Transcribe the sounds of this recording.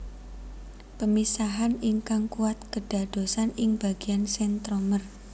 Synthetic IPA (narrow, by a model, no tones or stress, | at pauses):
pəmisaɦaniŋkaŋkuwat̪̚kəɖ̥ä̤ɖ̪̥o̤sanɪŋb̥a̤ɡ̥ijansɛnt̪ɾomər